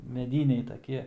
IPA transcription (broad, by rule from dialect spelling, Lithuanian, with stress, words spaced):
mʲɛˈdʲiːnʲɛɪ tɐˈkʲiɛ